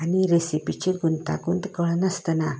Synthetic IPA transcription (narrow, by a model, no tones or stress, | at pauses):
aniɾesipit͡ɕiɡunt̪a̰kunt̪kəɭənast̪əna